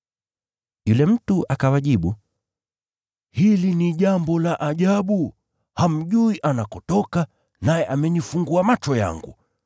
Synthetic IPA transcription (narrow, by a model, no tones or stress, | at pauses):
julɛm̩tuʔakawaʄiɓu | hiliniʄambɔlaʔaʄaɓu | ham̩ʄuiʔanakɔtɔka | najɛʔamɛɲifuŋɡuamat͡ʃɔja̰ŋɡṵ